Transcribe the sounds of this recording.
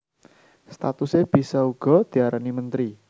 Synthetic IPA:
st̪a̰t̪useb̥i̤sauɡ̥ɔ̤d̪̥i̤aɾanimənt̪ɾi

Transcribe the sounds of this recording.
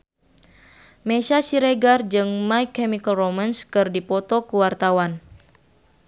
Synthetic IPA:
meʃasiɾeɡard͡ʒɨŋmajkːɛmikəlromanskɨrdipɔt̪ɔkuwart̪awan

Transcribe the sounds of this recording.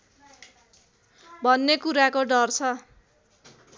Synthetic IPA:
bʱʌnːekuɾakoɖʌrt͡sʰʌ

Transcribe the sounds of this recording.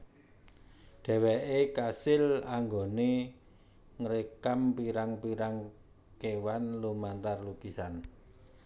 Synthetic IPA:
ɖ̥ɛ̤wɛʔekasɪlaŋɡone | ŋəɾekampiɾaŋpiɾaŋ | kewanlumant̪arlukisan

